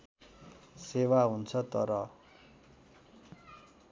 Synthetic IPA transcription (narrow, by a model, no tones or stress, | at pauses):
sewaɦunt͡sʰʌt̪ʌ̰ɾʌ